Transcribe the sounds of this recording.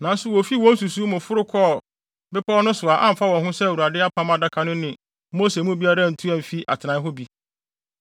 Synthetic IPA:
nã˨n˦sʊ˦wɔ˨fi˦wɔ̃˦n˦su˨su˦mʊ̃˨fʊ˦ɾʊ˦kʰɔ˦˨ | bɪ˦pʰɔ˦nʊ̃˦sʊ˨a˨ʔã̰˦m̩˨fa˦wɔ̃˨nɦʊ̃˦sɛ˦˨wu˨a˨dɪ˦a˦pʰã˦ma˨da˦kʰa˨nʊ̃˦nɪ̃˨ | mo˦se˨mũ˦bi˦a˦ɾa˦˨n̩˨tʰu˦ɛ̃˨m̩˨fi˦ʔa̰˨tʰɪ˨nã˨˦ɦo˦bi˦

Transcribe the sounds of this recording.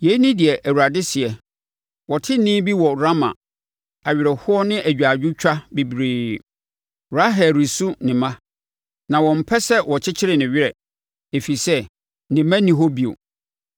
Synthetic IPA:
je˨˦i˦nɪ̃˦dɪ˨ɛ˨ʔæ˨wu˨ɾa˨dɪ˦sɪ˨ɛ˨ | wɔ˨tʰɪ˦nĩ˦bi˦wɔ˨ɾa˦mã̰˨ | a˨ɥɪ˨ɾɛ˨hʊ˦ɔ˦nɪ̃˦ʔæ˨d͡ʑᶣa˨d͡ʑᶣɪ˦t͡ɕᶣʰa˦be˨bɾeː˨ | ɾa˦ɦɛ˨ɾi˨su˦nɪ̃˨mã˦ | nã˨wɔ̃˨m̩˨pʰɛ˦sɛ˦wɔ˨t͡ɕʰɪ˦t͡ɕʰɪ˦ɾɪ˨nɪ̃˨ɥɪ˦ɾɛ˨ | e˨fi˨sɛ˦ | nɪ̃˨mã˦nĩ˨ɦo˦bi˨o̰˨

